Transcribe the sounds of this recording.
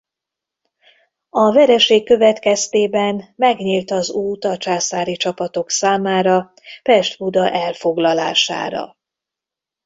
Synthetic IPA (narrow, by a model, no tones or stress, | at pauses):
ɒvɛɾɛʃeːkːø̞vɛt̪kɛst̪eːbɛnmɛɡɲiːlt̪ɒzuːt̪ɒt͡ʃaːsaːɾit͡ʃɒpɒt̪o̞ksaːmaːɾɒ | pɛʃt̪bud̪ɒʔɛlfo̞ɡlɒla̰ːʃa̰ːɾɒ̰